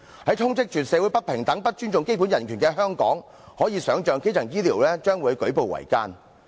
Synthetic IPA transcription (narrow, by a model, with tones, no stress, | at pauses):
hɐ˨˥jt̪ʰʊ˥ŋt͡sɪ˥k̚t͡ʃyː˨˩t̚sɛː˨˧wu˨˥jpɐ˥t̚pʰɪ˨˩ŋt̪ɐ˨˥ŋpɐ˥t̚t͡ʃyː˥nt͡sʊ˨ŋke˥jpu˨˥njɐ˨˩nkʰyː˨˩nkɛː˧ɦœː˥ŋkɔ̰ː˨˥ŋ | hɔː˨˥jiː˨˧sœː˨˥ŋt͡ʃœː˨˧ŋke˥t͡sʰɐ˨˩ŋjiː˥liː˨˩wlɛː˥t͡ʃœː˥ŋwuː˨˧jkɵ˨˥ɥpo˨wɐ̰˨˩jkaː˥n